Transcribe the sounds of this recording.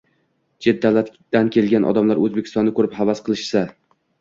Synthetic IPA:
d͡ʒe̞d̪̚ːawlat̪ʲd̪ankʲʰe̞lɡʲanʔɒ̰d̪amlaɾɵzbekʲʰɪ̥st̪ɒnːɪkʰɵɾɪphavasqʰɨlˠɪʃsa

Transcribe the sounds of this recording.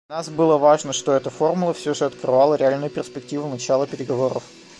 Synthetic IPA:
nasbɨlˠəvaʐnəʂt̪o̞ɛt̪əfo̞rmʊlˠəfsʲɵʐɨɐt̪krɨvalˠəɾʲɪalʲnʊjʊpʲɪrspʲɪktʲivʊnɐt͡ɕalˠəpʲɪɾʲɪɡɐvo̞ɾə̰f

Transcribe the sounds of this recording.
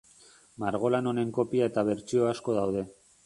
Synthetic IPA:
maɾɣ̞o̞lano̞ne̞ŋko̞piae̞t̪aβ̞e̞ɾt͡ʃio̞asko̞ð̞awð̞e̞

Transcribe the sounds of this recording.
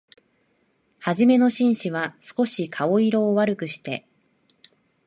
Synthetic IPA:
haʑime̞no̞ɕĩɰ̃ɕiβasɨ̥ko̞ɕikʰaoiɾo̞ːβaɾɯ̟kɯ̟ɕi̥t̪e̞̰

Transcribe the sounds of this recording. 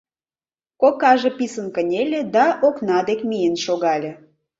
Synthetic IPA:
kokɑʒĕpisənkənʲelʲĕd̪ɑʔoknɑd̪ekmijənʃoɣɑlʲĕ

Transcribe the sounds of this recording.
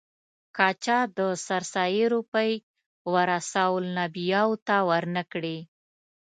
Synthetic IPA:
kɑt͡ʃɑd̪əsaɾsɑjiɾupəj | waɾasawlnabijɑwt̪awəɾnəkɽi

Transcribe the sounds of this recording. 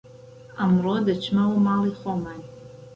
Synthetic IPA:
amrodat͡ʃʰmawamaliχoman

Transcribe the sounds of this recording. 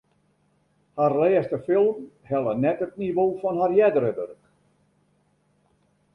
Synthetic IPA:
harlɛːstəfɪlˠm | hɛlˠənɛtətniʋoːfɔnɦarjɛdəɾədə̰rk

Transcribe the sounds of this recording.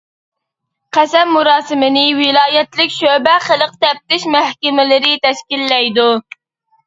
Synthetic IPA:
qʰæsɛmːuɾɑːsɨmɪnɪwɪlˠɑːjɛt̪lɪkʲʃøbɛχəlˠəq̚t̪ɛp̚t̪ɪʃmæhkʲɪmɪlɪɾɪt̪ɛʃkʲilːɛjd̪u

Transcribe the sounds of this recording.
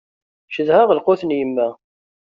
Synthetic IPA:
ʃəðhaʁəlqʊθnjəmːæ

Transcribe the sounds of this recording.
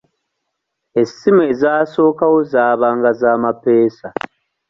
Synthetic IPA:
esimezaːso̞ːkawo̞zaːβaːŋɡazaːmapeːsa

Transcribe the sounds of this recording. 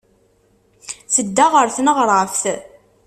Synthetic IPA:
θəd̪ːaʁəɾθnəʁɾˤəfθ

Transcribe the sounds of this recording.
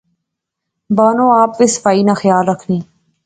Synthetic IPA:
banoaːpʋesfaːinaxjɑːlɾəkʰni

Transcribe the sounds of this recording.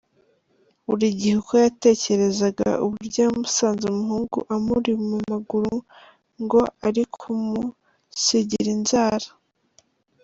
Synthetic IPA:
uɾiɟihukojate̞ːce̞ɾe̞zaɡa̰uβuuɾɟaːumusaːnzumuɦuːŋɡṵʔamuɾimumaɡuɾu | ŋɡo̞aɾikʰumu | siɟiɾinzaːɾḁ

